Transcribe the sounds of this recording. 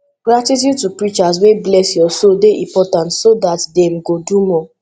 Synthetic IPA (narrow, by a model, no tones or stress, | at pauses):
ɡ̥ɾatit̬jutupɹit͡ʃas̬weblɛsjɔsodeʔĩpɔtãntsodatdem̩ɡodumɔ̃